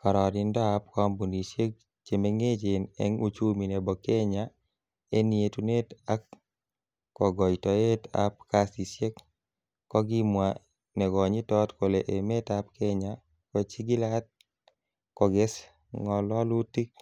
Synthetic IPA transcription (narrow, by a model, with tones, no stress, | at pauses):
ka˨ɾɔ˨dɪ˧ndɔ˦a˦p̚kɔ˦mbu˨ni˨sje˦k̚ | t͡ʃe˨me˦ŋe˦t͡ʃe˨nɛ̰˦ŋu˦t͡ʃu˦mi˨ne˨bɔ˨ke˦ɲa˦ | e˦ni˨e˨tu˦ne˦ta˦kː | ɔ˨ɡɔ˨jtɔ˨e˦ta̰˦p̚ka˦si˨sje˦kː | ɔ˦ɡi˦mwa˨ | nɛ˨ɡɔ˨ɲi˦tɔ˦tko˨le˨ʔe˨me˦ta˦p̚ke˦ɲa | kɔ˨t͡ʃi˦ɡi˦la˦t̚ | kɔ˨ɡe˦s | ŋɔ˨lɔ˦lu˦ti˦k̚